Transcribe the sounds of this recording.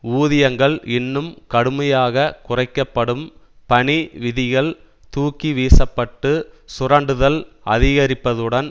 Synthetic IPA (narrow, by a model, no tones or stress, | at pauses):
uːðɪjɐŋɡɐɭɪnːɯmkɐɽɯmɐjaːɣɐkʊrɐɪkːɐpːɐɽɯm | pɐɳiʋɪðɪɣɐɭ | t̪uːkːiʋiːsɐpːɐʈːɯsʊrɐɳɖɯðɐl | ɐ̰ðɪɣɐɾɪpːɐðɯɽɐn